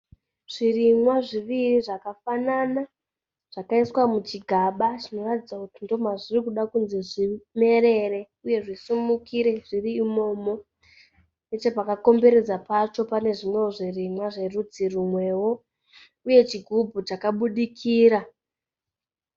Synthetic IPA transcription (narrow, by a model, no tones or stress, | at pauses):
ʐ̥irimwaʐiʋiriʐakafanana | ʐ̥akaiswamut͡ʃiɡʱaɓaʐino̞ratid͡zakutindo̞maʐirikuɗakunze̞ʐime̞ɾe̞re̞ | uje̞ʐisumukiɾe̞ʐ̥iriːmo̞mo̞ | net͡ʃepakako̞mbe̞ɾe̞d͡zapat͡ʃo̞pane̞ʐimwe̞woʐirimwaʐe̞rud͡zirumwe̞wo̞ | uje̞t͡ʃiɡʱubʱut͡ʃakaɓuɗikʰiːɾa